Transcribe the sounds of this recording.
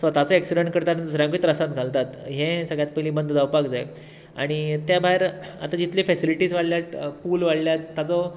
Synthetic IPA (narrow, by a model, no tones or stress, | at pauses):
sət̪at͡sɔeksiɖəɳʈkəɾt̪aɾnsɾjãk̬it̪ɾəsãt̪ɡʱalt̪at̪ɦẽsəɡɭjat̪̚pəjlĩːbənd̪ʱd̪awpakd͡zae | a̰ɽ̃it̪jabaɦeɾa̰t̪ad͡ʑit̪liːfɛsiliʈiːsʋaɽljat̪pulʋaɽljat̪ːat͡sɔ